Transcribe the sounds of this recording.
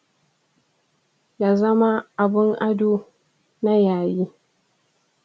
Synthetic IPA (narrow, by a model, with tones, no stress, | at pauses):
jaː˨zɐ˦ma˦ʔa˨bɪ˦ŋʔa˦duː˦ | na˦jaː˨ji˦